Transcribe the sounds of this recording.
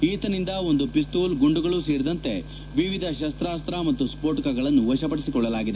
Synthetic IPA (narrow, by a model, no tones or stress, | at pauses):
ɦiːt̪ɐnind̪ɐond̪upis̬t̪uːlɡuɳɖuɡɐɭuːseːɾid̪ɐnt̪e̞̰ | ʋiʋid̪ʱɐʃɐst̪ɾaːst̪ɾamɐt̪ːuspoːʈkaɡɐɭɐnːuʋɐʃɐpɐɽisikɔɭːɐlaːɡid̪e